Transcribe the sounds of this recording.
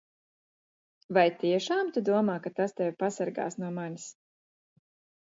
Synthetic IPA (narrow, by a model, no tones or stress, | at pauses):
vajt̪iɛʃaːmt̪ud̪uɔmaːkat̪ast̪ɛwʲpasaɾɡa̰ːsnuɔmanʲis